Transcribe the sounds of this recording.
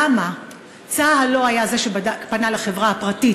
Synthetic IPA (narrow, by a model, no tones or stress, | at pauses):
ama | t͡saɦalo̞ajaze̞ʃebadapanalaχevʁaapʁatit